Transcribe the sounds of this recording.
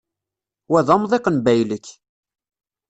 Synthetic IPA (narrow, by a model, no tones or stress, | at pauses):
wæðɑmðˤeqənbæjləkː